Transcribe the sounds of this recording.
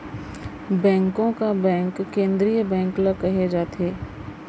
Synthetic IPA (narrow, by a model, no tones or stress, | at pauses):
bɛ̃ːŋkõkabɛ̃ːŋkːẽːnd̪ɾijəbɛ̃ːŋkləkːɐɦed͡ʒaːt̪eː